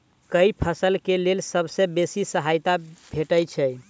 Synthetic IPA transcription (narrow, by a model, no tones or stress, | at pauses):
kəipʰəsəlkelelsəbsebesisəɦajt̪abʱeʈəjt͡ʃʰɛj